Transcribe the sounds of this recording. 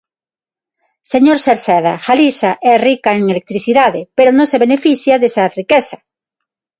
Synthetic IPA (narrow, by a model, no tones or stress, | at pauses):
seɲoɾseɾsɛða̰xalisaʔɛrikaeŋelek̚t̪ɾiθiðaðepeɾonõseβenefiθjaðesarikesa